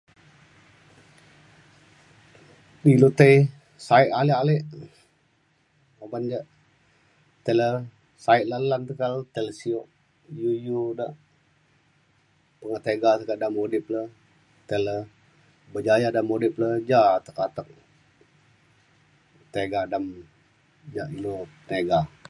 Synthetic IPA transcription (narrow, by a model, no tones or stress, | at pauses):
dilut̪əj | saɪʔalealeʔ | əband͡ʒəʔ | t̪elə | saɪʔ̪̚lalant̪əkalt̪eləsioʔ | jujudəʔ | pəŋət̪eɡat̪əkaʔdamodiplə | t̪elə | bəd͡ʒajadamodiʔpləd͡ʒat̪əkat̪ək̚ | t̪eɡadam | d͡ʒaʔilot̪eɡa